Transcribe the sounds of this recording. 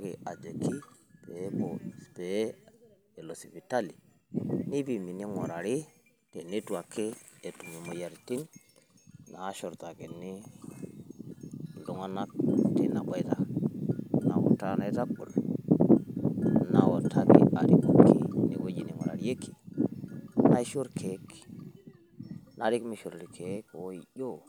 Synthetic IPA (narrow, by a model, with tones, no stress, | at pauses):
ke˨a˨d͡ʒe˨kʰi˦ | pe˨˦bɔ˨spe˨˦ | ɛ˨lo˨si˨pi˨ta˦li˨ | ni˦bi˨mi˨ni˦ŋɔ̰˨ɾa˨ɾi˦ | te˨ni˦twa˨kʰeː˦˨tu˨mi˨mo˨ja˨ɾti˦n | na˨˦ʃɔ˨ɾta˨ke˨ni˦ | ndu˨ŋa˦na˦k̚ti˨na˨kʷa˦i˦ta˨ | na̰˨wɔ̰˨ta˦na˦i˦ta˦k̚ɓṵ˨l | na˨wo˨tʰa˦kḛ˨˦a̰˨ɾi˦ku˨kʰḭ˦nḭ˨ɡo˦d͡ʒi˨ni˨ŋɔ̰˨ɾa̰˨li˦e˦kːi̥˨ | na˦i˦ʃo˦ɾkʰe˨˦k | na˨ɾi˦kmi˨ʃo˨ɾli˨kʰe˨˦ko˨˦i˨jo˦